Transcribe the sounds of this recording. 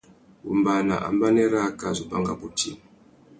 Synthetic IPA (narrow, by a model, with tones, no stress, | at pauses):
bu˨mba˨na̰˨ʔa̰˨mba˦nɛ˦ɾa˦ka˦˨zu˨ba˦ŋɡa˦bu˨ti˦˨